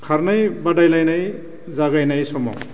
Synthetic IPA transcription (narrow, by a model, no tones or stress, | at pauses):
kʰaɾnajbadajlajnaj | zaɡajnajsɔmɔ̰